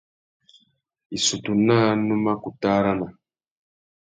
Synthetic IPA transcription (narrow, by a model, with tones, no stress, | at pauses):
i˨su˨tu˨na˦nũ˦ma˦ku˨taː˦ɾa˦na˨